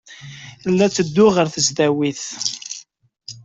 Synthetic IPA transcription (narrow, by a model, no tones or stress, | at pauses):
θlːæt͡sːəd̪ːʊʁəɾθəzd̪æwiθ